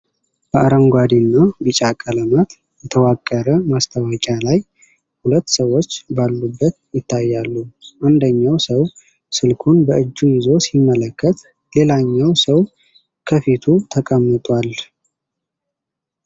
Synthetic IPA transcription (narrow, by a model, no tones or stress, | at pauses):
b̥əʔaɾəŋɡʷwad̪inːabɨt͡ʃʼakʼələmat̪ | jɛt̪ʰəwakʼːəɾəmast̪ʰawəkʼalaj | hulət̪ːsəwo̞t͡ʃːbalːubːət̪jɪt̪ʰːajːalːuʔand̪əɲːawsəw | sɨlkʰunbəɨd͡ʒːujɪzo̞simːələkʰːət̪ | le̞laɲːawsəw | kʰəfit̪ʰut̪ʰəkʼəmːɨt̪ʼwal